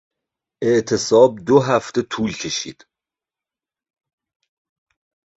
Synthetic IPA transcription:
ʔe̞ʔt̪ʰesɒːb̚d̪oɦæft̪e̞t̪ʰuːlcʰe̞ʃḭːd̪̥

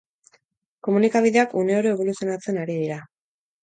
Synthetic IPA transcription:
ko̞munikaβ̞iðe̞akune̞oɾoeβ̞o̞lusijo̞nat͡se̞naɾið̞iɾa

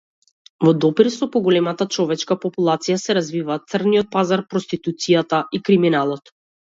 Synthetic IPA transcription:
vɔd̪ɔpiɾsɔpɔɡɔlɛmat̪at͡ʃɔvɛt͡ʃkapɔpulˠat̪sijasɛɾazvivaːt̪t̪srniɔt̪̚pazaɾpɾɔst̪it̪ut̪sijat̪aʔikɾiminalˠɔt̪

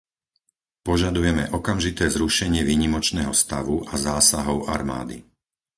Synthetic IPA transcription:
pɔʒad̪ujɛmɛ̰ʔɔkamʒit̪ɛːzɾuʃɛɲɪɛʋiːɲimɔt͡ʃnɛːɦɔst̪aʋuʔazaːsaɦɔʊʔa̰ɾma̰ːd̪ḭ

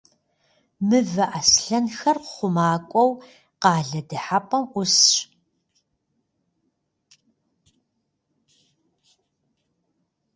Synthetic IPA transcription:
mɨvɐʔasɬɐnxɐrqχʷʊmaːkʷʼɔw | qɑːɮɐdɨħapʼɐmʔʷʊsɕ

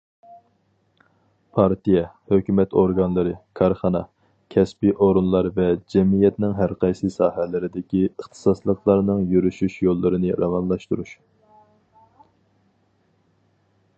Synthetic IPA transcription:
pʰɑɾt̪ijɛhøkʲymɛt̪oɾɡɑnlˠɨɾɨkʰɑɾχɑnɑ | kʲʰɛspiʔoɾunlˠɑɾvɛd͡ʒɛmijɛt̪nɪŋɦæɾqʰɑjsɨsɑːhɛlɪɾɪd̪ɪkʲiəχt̪ʰɨ̥sɑslˠəχlˠɑɾnɨŋjyɾyʃyʃjolˠːɨɾɨnɨɾʔɑwɑnlˠɑʃt̪uɾuʃ

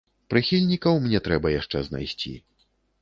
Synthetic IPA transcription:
pɾɨxʲilʲnʲikɐwmnʲɛt̪ɾɛbɐjaʂt͡ʂɛzna̰jsʲt͡sʲḭ

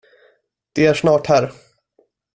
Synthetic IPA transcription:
d̪̥ɛæʂnɑːʈhæːɾ

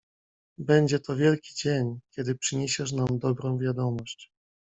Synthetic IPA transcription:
bɛɲd͡ʑɛt̪ɔvʲjɛlkʲi̥d͡ʑeɲkʲɛd̪ɘpʂɘɲeɕɛʂ̬namd̪ɔbɾɔ̃w̃vʲjad̪ɔmɔɕt͡ɕ

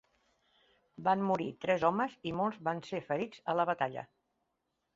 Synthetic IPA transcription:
banːuɾit̪ɾɛzɔməzimolˠzβansefəɾizələβət̪aʎə̰

